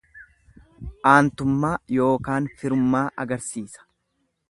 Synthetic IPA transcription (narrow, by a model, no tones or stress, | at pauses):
ʔaːnt̪ʊmːaːjo̞ːkaːnfɪɾʊmːaːʔɐɡɐɾsiːsɐ̥